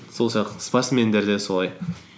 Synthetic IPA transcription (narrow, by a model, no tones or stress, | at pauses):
solˠʃɑqspaɾt̪sme̞nd̪e̞ɾd̪eso̞lˠɑj